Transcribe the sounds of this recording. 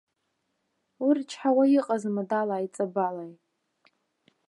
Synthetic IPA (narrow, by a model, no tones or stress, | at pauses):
wurt͡ʃʰħawajiqʼazmadalaːjt͡sʼabalaj